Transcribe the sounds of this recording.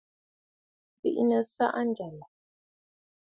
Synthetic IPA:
bḭ˦˨ʔnə˨sa̰˦ʔn̩˦d͡ʒa˨la˨

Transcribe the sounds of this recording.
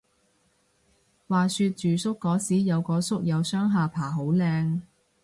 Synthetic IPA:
waː˨˩syː˧t̚t͡ʃyː˨˩sʊ˥kːɔː˨˥siː˨˥jɐ˨˧wkɔː˨˥sʊ˥k̚jɐ˨˧wsœː˥ŋɦaː˨pʰaː˨˩ɦo˨˥wlɛː˧ŋ

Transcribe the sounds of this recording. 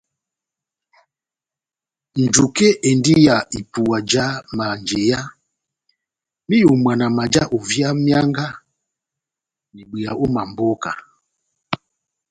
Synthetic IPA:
n̩˨d͡ʒu˨ke˦ʔe˨ndi˦ja˨i˨pu˨a˨d͡ʒa˦ma˨nd͡ʒe˨ja˦ | mi˦jo˨m˨a˨na˨ma˨d͡ʒa˦ʔo˨vja˦mja˦ŋɡa˦ | ni˨ɡ͡bi˨a˨ʔo˦ma˨mbɔ˦ka̰˨

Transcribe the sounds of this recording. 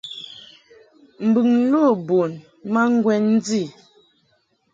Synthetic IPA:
m̩˨bʉ˨ŋ̩˦lo˦˨bo˨n | ma˦ŋ˦ɡwɛ˦nn̩˦d͡zi˦˨

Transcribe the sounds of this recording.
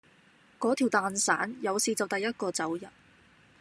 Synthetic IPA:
kɔː˨˥t̪ʰiː˨˩wt̪aː˨˧nsa̰ː˨˥njɐ˨˧wsiː˨t͡sɐ˨wt̪ɐ˨jːɐ˥t̚kɔː˧t͡sɐ˨˥wjɐ˨t̚

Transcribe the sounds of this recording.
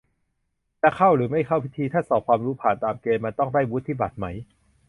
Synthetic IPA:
t̪ɛ˧˨˩kʰa˥˩wɾɯː˩˦ma˥˩jkʰa˥˩wpʰi˦˥t̪ʰiː˧t̪ʰaː˥˩sɔː˩p̚kʰwaː˧mɾuː˦˥pʰaː˨˩nt̪aː˧mkeː˧mːa˧nt̪ɔ˥˩ŋdaː˥˩jwu˦˥t̪ʰːiː˥˩ba˨˩t̪̚ma˦˥j

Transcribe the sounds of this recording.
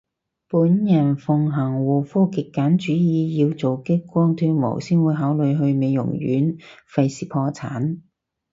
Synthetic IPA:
puː˨˥njɐ˨˩nfʊ˨ŋɦɐ˨˩ŋwuː˨˩fuː˥kɪ˨kːaː˨˥nt͡ʃyː˨˥jiː˨˧ji˧wt͡so˨wkɪ˥kkːʷɔː˥ŋt̪ʰyː˧˥mo̰˨˩wsiː˥nwuː˨˧jɦaː˨˥wlɵ˨˧ɥɦɵ˧ɥme˨˧jʊ̰˨˩ŋjy̰ː˨˥nfɐ˧jsiː˨˩pʰɔː˧t͡sʰa̰ː˨˥n

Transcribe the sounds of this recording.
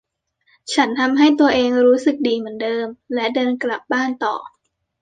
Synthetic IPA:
t͡ɕʰa˦˥nt̪ʰa˧mɦa˥˩jt̪u˧ɐʔeː˧ŋɾuː˦˥sɯ˨˩k̚diː˧mɯ˩˦əndɤː˧mlɛ˦˥dɤː˧nkla˨˩p̚baː˥˩nt̪ɔ̰ː˨˩

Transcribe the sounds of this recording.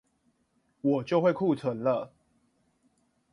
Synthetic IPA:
wɔ˨˩t͡ɕjo˥ʊxwe˥˨ɪkʰu˥˨t͡sʰwə˨˦ŋlə˨

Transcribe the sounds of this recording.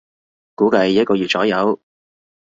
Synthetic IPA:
kuː˨˥kɐ˧jːɐ˥t̚kɔː˧jyː˨˩t͡sɔː˨˥jɐ˨˧˥w

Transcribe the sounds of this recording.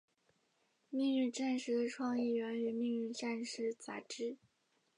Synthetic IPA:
mi˥˧ŋy˥˧ʈ͡ʂa˥˧nʂɻ̩˥˧ʈ͡ʂʰwɑ˥˧ŋi˥˩ɥɛ˧˥ny˨˩mi˥˧ŋy˥˧ʈ͡ʂa˥˧nʂɻ̩˥t͡sa̰˨˩ʈ͡ʂɻ̩˥

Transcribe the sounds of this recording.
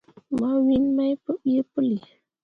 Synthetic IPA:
ma˦wi˦nma˦jpə˦ɓi˦ə˦pə˦li˨

